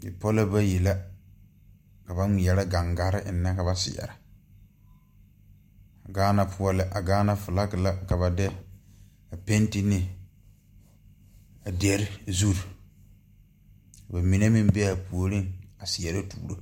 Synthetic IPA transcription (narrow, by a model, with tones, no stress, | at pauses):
ɪ̰˨pɔ˦la˦ba˦ji˨la˦ | ka˨ba˦ŋi˨jɛ˨la˦ɡa˨ŋɡa˨ɾɪ˦ʔɪ˨nːa˦ka˨ba˨sɪ̰˨ɛ̰˨ɾa˨ | a˨ɡaː˦na˦pʰʊ˦ɔ˦lɪ˦ʔa˨ɡaː˦na˦fʊ˨la˦kɪ˨la˦ka˨βa˨dɛ˦ | a˨pe˦n˦tɪ˦nɪ˦ | a˨dɛ˨ɾɪ˦zu˦ɾ | a˨ba˨mi˨ne˦mɪ˦m˦bɛ˦a˨pu˨o˨ɾɪ˦ŋa˨sɪ˨jɛ˨ɾa˦tuː˦˨ɾo˦